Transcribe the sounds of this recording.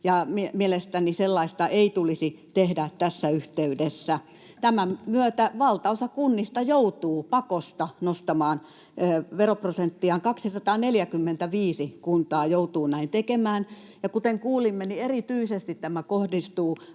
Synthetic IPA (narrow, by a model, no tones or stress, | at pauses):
jɑmimielest̪æniselːɑist̪ɑʔeit̪ulisit̪ehdæt̪æsːæyht̪eydesːæ | t̪æmæmyøt̪æʋɑlt̪ɑosɑkunːist̪ɑjout̪uːpɑkost̪ɑnost̪ɑmɑːn | ʋeroprosent̪ːiɑːŋkɑksisɑt̪ɑːneljækymːent̪æʋiːsikunt̪ɑːjout̪uːnæint̪ekemæːn | jɑkut̪eŋkuːlimːenierit̪yisest̪it̪t̪æmækohdist̪uː